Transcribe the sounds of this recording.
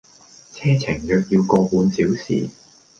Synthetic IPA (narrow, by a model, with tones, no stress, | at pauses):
t͡sʰɛː˥t͡sʰɪ˨˩ŋjœː˧k̚jiː˧wkɔː˧puː˨˧nsiː˨˥wsḭː˨˩